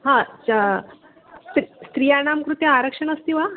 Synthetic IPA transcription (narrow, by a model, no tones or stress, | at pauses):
ɦã | t̪ɾist̪ɾijanamkɾut̪jəaɾəkʂəɳəst̪iʋa